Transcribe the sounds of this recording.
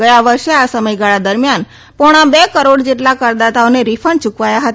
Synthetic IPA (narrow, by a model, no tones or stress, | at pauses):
əjaʋəɾʃeasəməjɡaɭad̪əɾmjan | pɔɽ̃ãbekəɾoɽd͡ʒeʈlakəɾd̪at̪aoneɾifʰəɳt͡ʃukʋajaɦət̪